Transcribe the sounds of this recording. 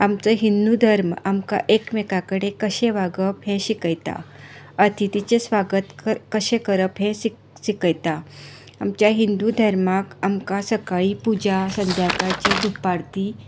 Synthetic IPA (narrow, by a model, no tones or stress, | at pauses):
amt͡səɦind̪ud̪ʱəɾmamka̰ʔekmekakəɽekəɕeʋaɡəpɦɛ̃ɕikəjt̪a̰ət̪ʰit̪it͡ɕesʋaɡət̪əkəɕẽkəɾəpɦɛ̃ | ɕikəjt̪a | amt͡ɕjaɦind̪ud̪ʱəɾmakamkasəkaɭipud͡ʑasənd̪ʱjakat͡ɕed̪ʱupːaɽt̪i